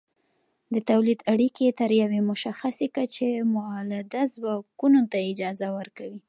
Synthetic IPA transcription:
d̪ət̪awlid̪aɽiket̪əɾjawemʊʃaxasekat͡ʃemʊɑlad̪azwɑkunot̪aɪd͡ʒɑzawəɾkawi

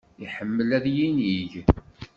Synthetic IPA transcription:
iħəmːəlæðjiniʝ

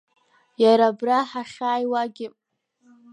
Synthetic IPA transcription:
jaɾabraħaχʲaːjwaɡʲɪ

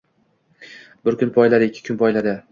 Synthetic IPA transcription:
bɪɾkʰʲʊnpʰɒjlaɾɪɪkʲʰːɪ̥kʰʊnpʰɒjlad̪ɪ

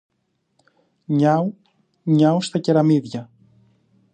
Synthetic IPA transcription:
ɲɐo | ɲɐost̪ɐceɾɐmiðʝɐ

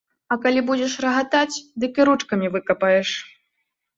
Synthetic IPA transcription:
ɐkalʲibud͡zʲɛʂrɐɣat̪at͡sʲd̪ɨkɨɾut͡ʂkɐmʲivɨkɐpɐjɛʂ

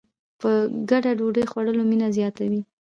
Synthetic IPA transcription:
pəɡaɖaɖoɖəjxwaɽəlominazjɑt̪awi

